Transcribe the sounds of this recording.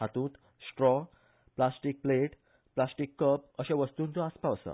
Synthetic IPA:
at̪ũːt̪ | sʈɾɔ | plasʈiːk̚pleʈ | plasʈiːkːəp̚əɕeʋəst̪uːnt͡sɔaspasə̰

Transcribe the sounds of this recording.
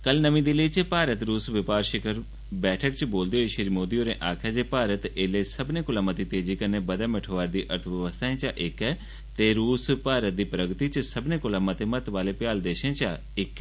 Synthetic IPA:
kɐlnəʋĩd̪iliit͡ʃpaːɾət̪ɾuːsʋɪpaːɾʃɪkəɾ | bɛːʈʰəkt͡ʃboːld̪ioeʃiɾimoːd̪ijoːɾẽʔaːkʰjad͡ʒeːpaːɾət̪eːlesɐbnekʊlaːmat̪it̪eːd͡ʒikɐnːebɐd̪ameʈʰoʋaːɾd̪iːʔɐɾt̪ʰʋjəʋəst̪ʰaːẽt͡ʃaʔekɛ | t̪eɾuːspaːɾət̪̚d̪iːpɾəɡt̪it͡ʃsɐbnekʊlaːmat̪emɐt̪ʋaːlepjaːld̪eːʃẽt͡ʃa | ɪkː

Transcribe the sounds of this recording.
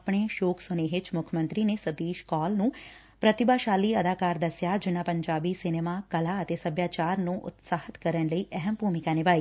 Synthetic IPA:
pɳ̃eːʃoːkʰsʊneʋɪt͡ʃmʊkʰmə̃nt̪ɾiːneːsət̪iːʃkɔːlnũː | pɾət̪ɪbaːʃaːliːəd̪aːkaːɾd̪əsɪjaːd͡ʒɪnãːpəɲd͡ʒaːbiːsɪneːmaːkəlaːət̪eːsəbjaːt͡ʃaːɾnũːʔʊ̰t̪saːhɪt̪kəɾənləiːʔɛɦəmbʱuːmɪkaːnɪʋaːiː

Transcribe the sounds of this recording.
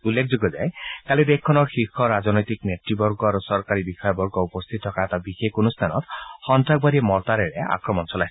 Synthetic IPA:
ulːek̚ʰzoɡɔza̰jkalid̪ekkʰːɔnɔɹxixɔɹazɔnɔjt̪iknetɹibɔɹɡɔaɹusɔɹkaɹibixɔjɔbɔɹɡɔupɔst̪ʰit̪̚ʰːɔkaɛtabixeunust̪ʰanɔ̰t̪xɔntɹak̚baɾimɔɹt̪aɹɛɹɛa̰kɹɔmɔnsɔlajs

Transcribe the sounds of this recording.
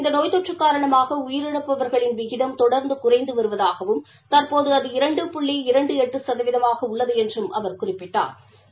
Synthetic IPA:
ɪnd̪ɐnoːjt̪ɔʈrɯkːaːɾɐɳɐmaːɣɐʊjɪɾɛɽɯpːɐʋɐɾɣɐɭɪnʋɪɣɪðɐmt̪ɔɽɐɾnd̪ɯkʊrɐɪnd̪ɯʋɐɾɯʋɐðaːɣɐʋɯm | t̪ɐɾpoːðɯɐðɯɪɾɐɳɖɯpʊɭːeːɪɾɐɳɖɯɛʈːɯsɐðɐʋɪðɐmaːɣɐʊɭːɐðɯɛndrɯmʔɐʋɐɾkʊrɪpːɪʈːa̰ːɾ

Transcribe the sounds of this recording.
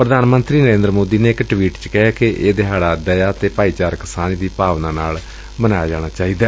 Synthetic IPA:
pɾəd̪aːnmənt̪ɾiːnəɾẽːnd̪ɾəmoːd̪iːneːɪkʈʋiːʈt͡ʃkɛɦaːkeʔeːd̪eɦaːɽaːd̪əjaːt̪eːpaːiːt͡ʃaːɾkɪsaːnd̪iːpaːʋnaːnaːl | mənaːjad͡ʒaːɽ̃aːt͡ʃaːiːd̪aː

